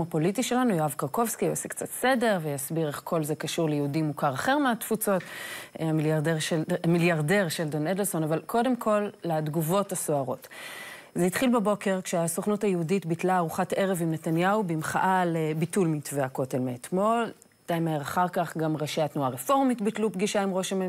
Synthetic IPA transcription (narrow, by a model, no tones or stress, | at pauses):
apo̞litiʃe̞lanujoavkaʁko̞vskijosekt͡satse̞de̞ʁvejasbiʁe̞χkʰo̞lzekaʃuʁlejeudimukaʁaχe̞ʁmeatfut͡so̞tamiljaʁdeʁʃemiljaʁde̞ʁʃeldo̞nedelso̞navalkʰo̞de̞mkʰo̞lːadɡuvo̞tasoaʁo̞t | zeitχilbebo̞ke̞ʁkʃeasoχnutajeuditbitlaːʁuχatʔe̞ʁevimnetanjaubimχaʔalebitulmitveako̞telmeetmo̞l | tajmeeʁaχaʁkaχɡamʁeʃeatnuaʁefo̞ʁmitbitlupɡiʃaimʁo̞ʃem